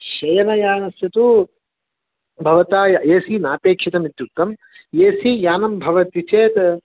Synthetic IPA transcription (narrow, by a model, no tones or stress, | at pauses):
ʃɐjɐnɐjaːnɐsjɐt̪u | bʱɐʋɐt̪aːjɐjeːsiːnaːpeːkʂit̪ɐmit̪juk̚t̪ːɐm | jeːsijaːnɐmbʱɐʋɐt̪it͡ʃeːt̪